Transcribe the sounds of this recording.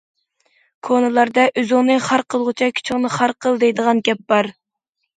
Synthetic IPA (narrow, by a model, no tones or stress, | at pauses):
kʰonɨlˠɑɾd̪ɑʔyzʊŋnɨχɑɾqʰəlˠʁʊt͡ʃʰɑkʲʰy̥t͡ʃʰyŋnɨχɑɾqʰəlˠd̪ejd̪əʁɑnɡʲɛp̚b̥ɑɾ